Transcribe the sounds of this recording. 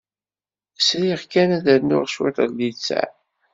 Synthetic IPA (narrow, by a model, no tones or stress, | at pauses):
sɾiʁkænæðəɾnʊ̰ʁʃwḭt̪ɾlit͡sːæ̰